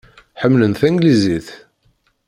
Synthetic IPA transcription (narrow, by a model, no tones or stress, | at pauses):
ħəmːlənθæŋɡliziθ